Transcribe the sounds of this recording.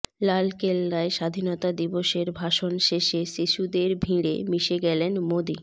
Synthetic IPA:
lalkelːaeʃad̪ʱinot̪ad̪iboʃeɾbʱaʃonʃeʃeʃiʃud̪eɾbʱiɾḛmiʃeɡɛlenmod̪i

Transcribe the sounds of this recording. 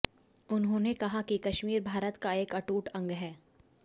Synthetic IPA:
ʊnɦõnekɐɦakikɐʃmiːɾbʱaːɾət̪kaeːkɐʈuːʈɐ̃ŋɡɦɛː

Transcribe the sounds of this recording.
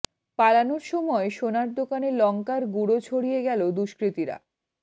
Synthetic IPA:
palanoɾʃɔmɔeʃonaɾd̪okanelɔŋkaɾɡuɽot͡ɕʰoɽijeɡɛlod̪uʃkɾit̪iɾa̰

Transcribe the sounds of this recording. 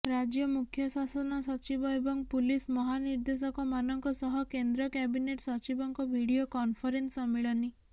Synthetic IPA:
ɾad͡ʒjɔmukʰjɔsasɔnɔsɔt͡ʃibɔebɔŋpulismɔɦaniɾd̪es̬ɔkɔmanɔŋkɔsɔɦɔkend̪ɾɔkɛbineʈsɔt͡ʃibɔŋkɔbʱiɽiokɔnpʰɔɾensɔmiɭɔni

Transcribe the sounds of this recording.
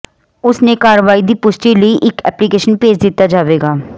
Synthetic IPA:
ʊsnekaːɾəʋaːid̪ipʊʃʈiləiʔɪkɛ̰ːplikeːʃənpeːd͡ʒd̪ɪt̪ad͡ʒaːʋeːɡaː

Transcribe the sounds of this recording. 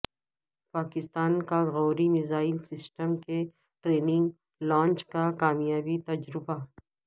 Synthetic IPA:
paːkɪst̪aːnkaɣɔːɾimɪzaːɪlsɪsʈəmke | ʈɾeːnɪ̃ŋɡ | lãːɲt͡ʃkakaːmjaːbit̪ɐd͡ʒɾɪba

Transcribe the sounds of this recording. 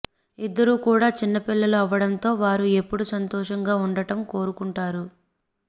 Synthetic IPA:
id̪ːɐɾukuːɽaːt͡ʃinːɐpilːɐluɐʋːɐɽɐnt̪o̞ːʋaːɾue̞pːuɽusɐnt̪ɔːʂɐŋɡaːuɳɖɐʈɐmko̞ːɾukuɳʈaːɾu

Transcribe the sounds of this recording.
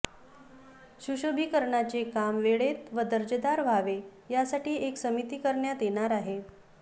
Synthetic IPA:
ɕuɕobʱiːkəɾɳat͡sekamʋeɭet̪ʋəd̪əɾd͡ʑəd̪aɾʋʱaʋe | jasaʈiːeksəmit̪iːkəɾɳjat̪jeɳaɾaɦe

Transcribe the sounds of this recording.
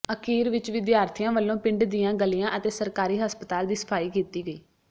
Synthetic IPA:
əkiːɾʋɪt͡ʃʋɪd̪jaːɾt̪ʰijãːʋəlːõːpɪɳɖd̪ijãːɡəlijãːʔət̪eːsəɾkaːɾiːɦəspət̪aːld̪iːsə̥pʰaːiːkiːt̪iːɡəiː

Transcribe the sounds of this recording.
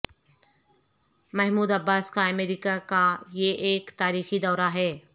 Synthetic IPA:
mɐɦmuːd̪ɐbːaːskaɐmeːɾikakajeʔeːkt̪aːɾiːxid̪ɔːɾaɦɛː

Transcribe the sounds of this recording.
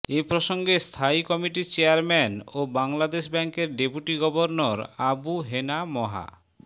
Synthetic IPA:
epɾoʃoŋɡest̪ʰaikɔmiʈit͡ɕeaɾmɛnobaŋlad̪eʃbɛŋkeɾɖepuʈiɡɔboɾnoɾabuɦenamɔɦa̰

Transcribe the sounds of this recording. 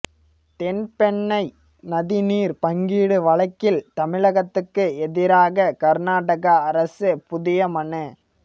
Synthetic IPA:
t̪ɛnpɛɳːɐɪ | nɐðɪniːɾpɐŋɡiːɽɯʋɐɭɐɪkːɪlt̪ɐmɪɭɐɣɐt̪ːɯkːɯɛðɪɾaːɣɐkɐɾnaːʈɐɣɐːɾɐsɯpʊðɪjɐmɐɳɯ

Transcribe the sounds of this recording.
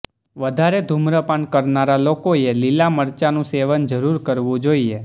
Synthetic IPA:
ʋəd̪ʱaɾed̪ʱumɾəpaɳkəɾnaɾalokoelilaməɾt͡ʃanũseʋənd͡ʒəɾuɾkəɾʋũd͡ʒoie

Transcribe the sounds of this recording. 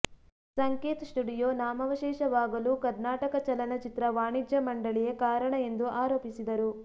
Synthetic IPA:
sɐŋkeːt̪ɐsʈuɖijoːnaːmɐʋɐʃɛːʃɐʋaːɡɐlukɐɾnaːʈɐkɐt͡ʃɐlɐnɐt͡ʃit̪ɾɐʋaːɳid͡ʒjɐmɐɳɖɐɭijekaːɾɐɳɐe̞nd̪uʔaːɾoːpisid̪ɐɾu

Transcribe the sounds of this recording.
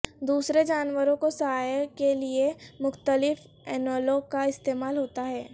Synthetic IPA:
d̪uːsɾed͡ʒaːnʋəɾõkosɐɦaːjkeliemʊxt̪əlɪf | ɛːnɔːloːɡkaɪst̪eːmaːlɦoːt̪aɦɛː

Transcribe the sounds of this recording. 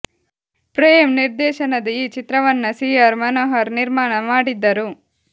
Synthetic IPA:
pɾeːjɐmniɾd̪ɛːʃɐnɐd̪ɐiːt͡ʃit̪ɾɐʋɐnːɐsiːaɾmɐnoːɦɐɾniɾmaːɳɐmaːɽid̪ːɐɾu

